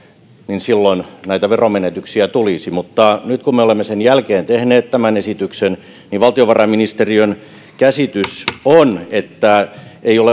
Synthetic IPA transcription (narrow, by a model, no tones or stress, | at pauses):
ninsilːonnæit̪æʋeromenet̪yksiæt̪ulisimut̪ːɑnyt̪kummeolemːesenjælkeːnt̪ehneːt̪t̪æmænesit̪yksen | niʋʋɑlt̪ioʋɑrɑminist̪eriøn | kæsit̪ysonet̪ːæeiole